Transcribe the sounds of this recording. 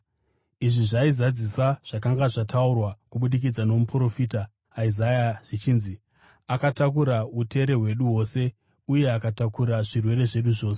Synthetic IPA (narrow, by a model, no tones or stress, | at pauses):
iʐiʐaizad͡zisaʐ̥akaŋɡaʐataurwakuɓuɗik̬id͡zano̞mupro̞fiːtaː | izajaʐ̥it͡ʃiːnzi | akatak̬uɾaute̞ɾe̞ɦwe̞ɗuɦwo̞ːse̞ | uje̞akatakuɾaʐirwe̞ɾe̞ʐe̞ɗuʐo̞ːse̥